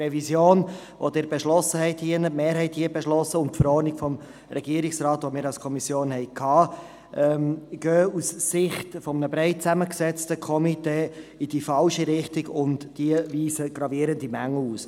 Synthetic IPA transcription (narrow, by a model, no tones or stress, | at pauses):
rɛvisjoːn | ʋo̰dɪːɾbeʃlɔsəhɛɪthiənətmeːɾɦɛɪthiəbɛʃlɔsəʊntfəɾɔɾnɪkfɔm | ɾɛɡiəɾɪksrɑːtʋomɪːɾɑlskʰɔmisjoːnhɛɪkʰːɑː | ʔɛmɡ̥øːussɪχtfɔmənəbɾɛɪt̚t͡sæməksɛt͡stəkʰɔmiteːid̥ifɑlʃiɾɪχtiɡʊntd̥iəviːsəɡ̥ɾɑviəɾəndimæŋːl̩uːs